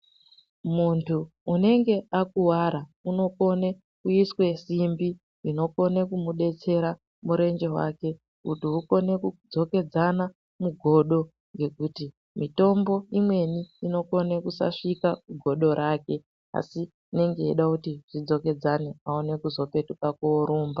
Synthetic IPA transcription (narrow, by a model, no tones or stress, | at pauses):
muntʰuː | ne̞ŋɡe̞akuwaɾauno̞ko̞ne̞ | kuiswe̞simbi | ino̞ko̞ne̞kumuɗe̞t͡se̞ɾa | muɾe̞nd͡ʒe̞wa̰ke̞ | utiuko̞ne̞kud͡zo̞ke̞d͡zana | muɡʱo̞ɗo̞ | ŋɡe̞kuti | mito̞mbo̞imwe̞niːno̞ko̞nekusa̰ʂikakuɡʱo̞ɗo̞ɾʔaːke̞ | a̰siː | ne̞ŋɡe̞ḭɗakutiʐ̥id͡zo̞ke̞d͡zaneaone̞kuzo̞pe̞tukakuoɾuːmba